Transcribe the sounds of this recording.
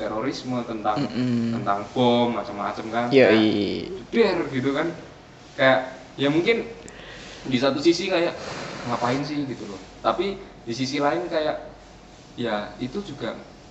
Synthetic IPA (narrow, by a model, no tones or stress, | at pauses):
t̪eɾoɾismət̪ənt̪aŋt̪ənt̪aŋb̥ɔmːat͡ʃəmːa̰t͡ʃəmkanja | ədɛrɡit̪ukan | kajaʔ | jamuŋkɪn | disat̪usisikajaʔŋapaɪnsɪhɡit̪ulʊ | t̪api | disisilaɪnkajaʔ | jait̪ud͡ʒuɡa